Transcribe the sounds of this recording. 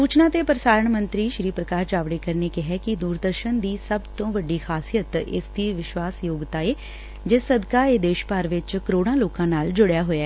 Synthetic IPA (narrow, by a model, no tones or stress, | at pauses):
suːt͡ʃnãːt̪eːpəɾɪsaːɾəɳmənt̪ɾiːʃɾiːpɾəkaːɾt͡ʃaːʋɽeːkəɾneːkɪɦɛːkɪd̪uːɾd̪əɾʃənd̪iːsəbt̪õːʋəɖːiːxʰaːsijət̪ɪ̰sd̪iːʋɪʃʋaːsjoːɡt̪aːeː | d͡ʒesəd̪kaːeːd̪eːʃpaːɾʋɪt͡ʃkəɾoːɽãːloːkãːnaːld͡ʒʊɽjaːɦoːjaɛː